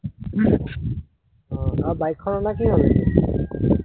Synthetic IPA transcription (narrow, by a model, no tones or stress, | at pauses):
ɔ̃abajkʰːɔnɔnakiɦol